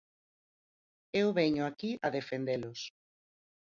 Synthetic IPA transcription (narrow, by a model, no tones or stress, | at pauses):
ewβɛɲʊakiaðefend̪elʊs